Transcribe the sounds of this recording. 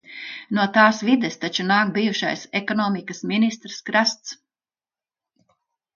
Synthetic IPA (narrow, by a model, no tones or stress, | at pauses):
nuɔt̪aːsvid̪ɛst̪at͡ʃunaːkbijuʃa̰jsɛkɔnɔːmikɐsminist̪ɾskɾast̪s